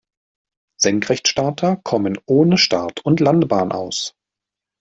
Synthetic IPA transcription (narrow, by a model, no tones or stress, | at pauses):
z̥ɛŋkʁ̥ɛçtʃtaːtʰɐkʰɔmənʔoːnəʃtaɐtʰʊntlandb̥aːnʔa̰ʊs